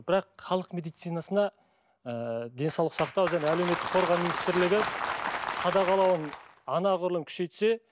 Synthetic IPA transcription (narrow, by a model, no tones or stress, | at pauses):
bɪɾɑqχɑlˠəqme̞d̪ijt̪sɨjnɑsənɑ | əd̪e̞nsɑwlˠəqsɑqt̪ɑwʒæneæleme̞t̪ːɪ̥k̚qʰo̞ɾʁɑminist̪ɪɾlɪɡʲɪ | qʰɑd̪ɑʁɑlˠɑwən | ɑnɑʁʊɾlˠəmkʲʰʏ̥ʃe̞jt̪se̞